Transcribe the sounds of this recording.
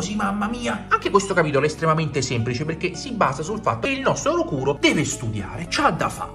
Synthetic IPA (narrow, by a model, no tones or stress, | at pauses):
ozimamːamiːaaŋk̟ekwest̪okapiːt̪̬olest̪ɾemament̪esɛmplit͡ʃeperk̟esibːaːzasulfa̰t̪ːoeilnɔst̪ɾoɾokuːɾod̪ɛːvest̪ud̪ja̰ːɾet͡ʃad̪ːa̰fa̰